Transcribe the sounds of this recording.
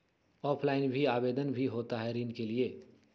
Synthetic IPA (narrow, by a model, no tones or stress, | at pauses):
ɔːpʰlaːɪnbʱiaːbeːd̪ənbʱiɦoːt̪aɦɛɾiːnkelie